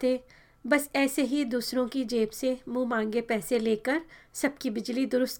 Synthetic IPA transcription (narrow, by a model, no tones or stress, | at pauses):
t̪eː | bɐsɛːseɦid̪uːsɾõkid͡ʒeːpsemũːmãːŋ̆ɡepɛːseleːkəɾsɐb̚kibɪd͡ʒlid̪ʊɾʊst̪